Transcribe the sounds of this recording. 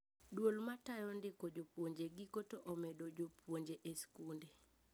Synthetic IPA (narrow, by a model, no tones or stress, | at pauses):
dwolmatajɔndɪkod͡ʒopwoɲd͡ʒeɡikotoʔɔmedod͡ʒopwoɲd͡ʒeʔeskunde